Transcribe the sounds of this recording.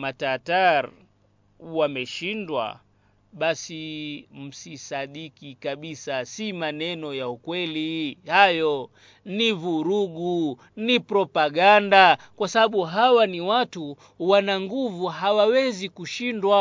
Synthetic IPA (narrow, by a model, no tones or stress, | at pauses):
matataɾ | wamɛʃindwa̰ | ɓasim̩sisaɗikikaɓisasimanɛnɔjaukwɛlihajɔ | nivuɾuɡu | nipɾɔpaɠanda | kwasaɓaɓuɦawaniwatu | wanaŋɡuvuɦawawɛzikuʃindwa